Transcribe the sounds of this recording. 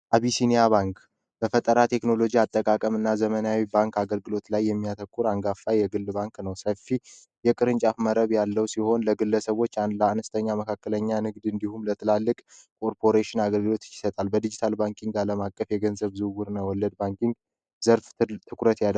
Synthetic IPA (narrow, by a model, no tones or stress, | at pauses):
ʔaβisinijaβaŋk | b̥əfət̪ʼəɾat̪ʰe̞kno̞lo̞d͡ʒiat̪ʼːəkʼakʼəmɨnːazəmənawibaŋkaɡəlɡɨlo̞t̪lajːɛmːijat̪ʰəkʼːuɾaŋɡafːajɛɡɨlːbaŋknəwsəfːi | jɛkʼɨɾɨnt͡ʃʼafməɾəβjalːəwsiho̞nləɡɨlːəsəβo̞t͡ʃːand̪ləanəst̪ʰəɲːaməkʰakːələɲːanɨɡd̪ɨnd̪ihumlət̪ʰɨlalːɨkʼkʰʼo̞ɾpʰo̞ɾeʃɪnaɡəlɡɨlo̞t̪jɪsət̪ʼalbəd̪id͡ʒit̪ʰalbaŋkʰʼiŋɡaləmakʼːəfjɛɡənzəβzɨwuɾnawɔlːəd̪̚baŋkiŋɡ | zəɾft̪ʰɨkʷɾət̪jal